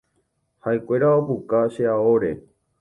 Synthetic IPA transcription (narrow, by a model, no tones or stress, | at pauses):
haekʷe̞ɾaopukaʃeaoɾe̞̰